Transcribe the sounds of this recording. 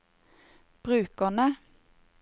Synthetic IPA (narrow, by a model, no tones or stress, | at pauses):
b̥ʁʉːkənə